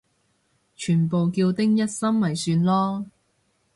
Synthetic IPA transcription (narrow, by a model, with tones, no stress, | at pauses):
t͡ʃʰyː˨˩npo˨wkiː˧wt̪ɪ˥ŋjɐ˥t̚sɐ˥mmɐ˨˩jsyː˧nlɔː˥